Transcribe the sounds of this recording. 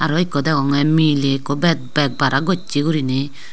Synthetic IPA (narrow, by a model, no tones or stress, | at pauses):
aɾɔikɔdɛkɔŋɛmilekobɛt̚bɛk̚baɾaɡot͡ʃːikuɾinɪ